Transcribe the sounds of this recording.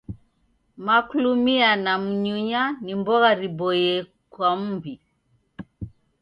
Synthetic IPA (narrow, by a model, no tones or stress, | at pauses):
makulumianam̩ɲuɲanimbɔɣaɾibɔjɛ | kwam̩mbi